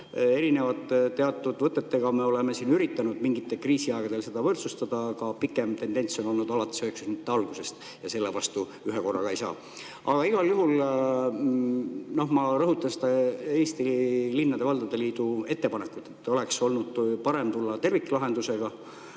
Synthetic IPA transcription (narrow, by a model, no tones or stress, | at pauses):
e̞ɾine̞vɑt̪ːˑt̪ːe̞ɑt̪ːˑud̪vɤt̪ːˑe̞t̪ːe̞ɡ̥ɑme̞o̞leme̞siːnyɾit̪ːˑɑnud̪̥miŋɡ̥it̪ːe̞lkriːsiɑeɡ̥ɑd̪̥e̞lse̞d̪̥ɑvɤrt̪sust̪ɑd̪̥ɑkɑpikːˑemt̪e̞nd̪e̞nʲso̞no̞lnud̪ɑlɑt̪ːˑi̥søːksusmit̪ːeɑlɡ̥use̞st̪ | jɑse̞lːevɑst̪u | yɦeko̞rːɑ̰kɑejsɑ̰ː | ɑɡ̥ɑiɡ̥ɑljuɦul | no̞hmɑrɤɦut̪ːˑɑnsed̪̥ɑe̞ːst̪ilinːɑd̪̥e̞vɑld̪ɑd̪e̞liːd̪̥ue̞t̪ːe̞pɑnekːut̪ːˑe̞t̪ːˑo̞le̞kso̞lnud̪̥̚pɑɾe̞mt̪ulːɑt̪e̞rvikːˑlɑɦe̞nd̪use̞ɡ̥ɑ